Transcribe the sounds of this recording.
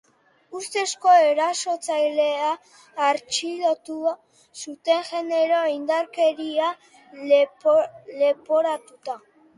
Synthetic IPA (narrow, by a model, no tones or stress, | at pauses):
ust̪e̞sko̞e̞ɾaso̞t͡sajle̞aː | ɾt͡ʃilot̪ua | sut̪e̞ŋʝe̞ne̞ɾo̞ind̪aɾke̞ɾia | le̞po̞ɾat̪ut̪a